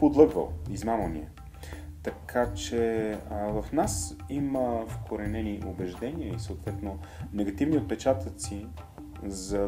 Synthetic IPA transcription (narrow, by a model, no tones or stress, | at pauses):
pod̪lˠɤɡvə̰lˠizmamənḭɛ | t̪ɐkʰat͡ʃɛvɐfnasiməfkʰoɾɛnɛniʔobɛʒd̪ɛniəisəot̪vɛt̪nonɛɡɐt̪ivniot̪̚pɛt͡ʃat̪ət̪si | zɐ